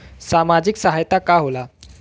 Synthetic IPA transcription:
samad͡ʑiksaɦajt̪akaɦola

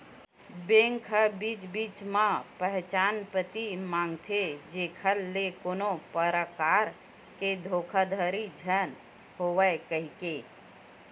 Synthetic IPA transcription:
bẽːŋkʰəbiːt͡ʃbiːt͡ʃmãpəɦt͡ʃaːnpət̪imãːŋɡt̪ʰed͡ʒekʰəlːekoːnopəɾəkaːɾ | ked̪ʱoːkʰad̪ʱəɾid͡ʒʱən | ɦoʋəkəɦike

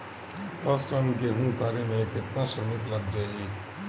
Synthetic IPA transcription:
t̪ɐsʈənkeɦũːt̪ʰaːɾemẽkɪt̪naʃəɾmɪt̪ləɡ̚d͡ʒaːieː

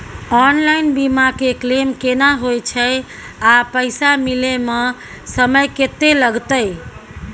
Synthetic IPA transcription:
ɔnlainbimakeklemkenaɦojt͡ʃʰəj | apəɪsamileme | səməjket̪eləɡt̪əj

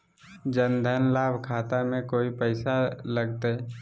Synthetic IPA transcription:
d͡ʒənd̪ʱənlaːbʱkʰaːt̪amẽkoːipəɪsaləɡt̪e

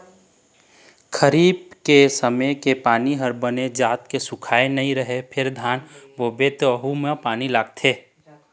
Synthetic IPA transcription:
kʰəɾiːbkesəməjkepaːniɦəɾbəned͡ʒaːt̪kesʊkʰaːenɐɦĩɾəɦepʰɪɾd̪ʱaːnboːbet̪əɦumẽpaːnilaːɡ̚t̪ʰeː

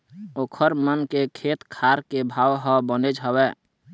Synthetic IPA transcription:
oːkʰəɾmənkekʰet̪kʰaɾkebʱawɦə̃bəned͡ʒɦəwɛ

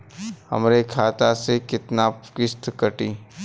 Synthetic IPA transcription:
hɐ̰mɾekʰaːt̪asekɪt̪nakɪst̪kəʈiː

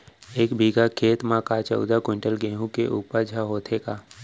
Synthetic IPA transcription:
eːkbʱiːɡakʰeːt̪mãkat͡ʃə̰ʊd̪akʊ̃ɳʈəlɡẽːɦũkeʔuːpəɾd͡ʒʱaɦoːt̪ʰeːkaː

